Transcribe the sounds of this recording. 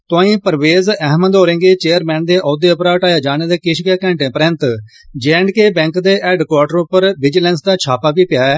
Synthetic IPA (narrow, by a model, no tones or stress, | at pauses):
t̪õːĩːpəɾʋeːzɛːɦməd̪oːɾɪ̃ŋɡeːt͡ʃeːəɾmɛ̃ːnd̪eːʔɔːd̪eːʊpɾaːʈaːjaːd͡ʒaːneːd̪eːkɪʃkeːkə̃ːɳʈẽːpəɾɛ̃nt̪ | d͡ʒɛːɳɖkeːbɛ̃ːŋkd̪eːʔɛːɖkwaːʈəɾʊpːəɾʋɪd͡ʒəlɛːnsd̪aːt͡ʃʰaːpaːpiːpɪjaːɛː